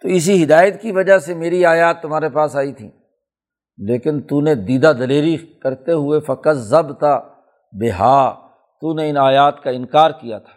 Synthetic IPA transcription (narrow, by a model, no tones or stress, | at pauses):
t̪oɪs̬iɦɪd̪aːjət̪kiʋɐd͡ʒasemeːɾiaːjaːt̪ːʊmɦaːɾepaːsaːit̪ʰḭ̃ː | leːkɪnt̪uned̪iːd̪ad̪ɐleːɾikɐɾt̪eɦʊefɐkəzəbt̪a | beɦaː | t̪uneɪnaːjaːt̪kaɪ̃nkaːɾkija̰t̪ʰḁː